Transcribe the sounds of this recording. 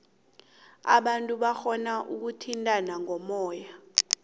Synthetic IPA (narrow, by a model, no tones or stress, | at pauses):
a̰ɓantʼuɓaxɔnaʔuk̬utʰintʼanaŋʱɔmɔːja